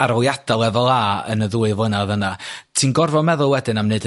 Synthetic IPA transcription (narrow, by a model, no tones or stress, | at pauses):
aɾɔljad̥alˠɛvɔlˠaːə̰nəðuːɨvlˠənaðənatʰiːnɡɔrvɔmɛðʊlˠwɛdɨnamneɨd